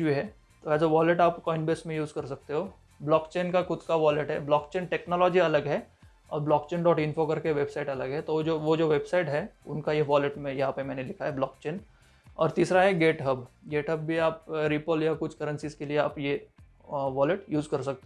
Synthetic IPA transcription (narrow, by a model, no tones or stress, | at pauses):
biɦɛː | t̪oɛːsaʋɔːləʈaːpkɔːɪɳɖbeːsmẽjuːzkɐɾsɐk̚t̪eɦoː | blɔːkt͡ʃeːnkaxʊd̪kaʋɔːləʈɦɛ̰blɔːkt͡ʃeːnʈeːknɔːlɔːd͡ʒiɐləɡɦɛː | ɔːɾblɔːkt͡ʃeːnɖɔːʈɪnfokɐɾkeʋeːbsaːɪʈɐləɡɦɛt̪od͡ʒoʋod͡ʒoːʋeːbsaɪʈɦɛʊnkajeʋɔːləʈmẽjɐɦãpemɛ̃ːnelɪkʰaɦɛblɔːkt͡ʃeːn | ɔ̰ːɾt̪iːsɾaɦɛɡeːʈɦəbɡeːʈɦəbbʱiaːp̚ɾiːpəljakʊt͡ʃʰkɐɾə̃nsiskelieaːpje | ʋɔːləʈjuːzkɐɾsɐk̚t̪e